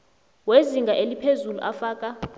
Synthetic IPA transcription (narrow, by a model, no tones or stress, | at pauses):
weziŋɡʱaʔelipʰezulṵʔafaːkʼa